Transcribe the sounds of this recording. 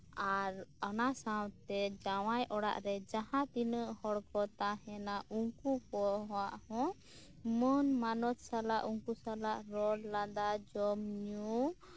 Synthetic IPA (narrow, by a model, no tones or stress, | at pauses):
aɾɔnasawt̪ɛd͡ʒawajʔɔɽa̰ʔɾɛd͡ʒaɦãt̪inəʔhɔɽkɔt̪aɦɛnaʔuŋkukɔɦɔwaʔhɔ̃ | mənmanɔt̪salaʔuŋkusalaʔɾɔlːad̪ad͡ʒɔmɲu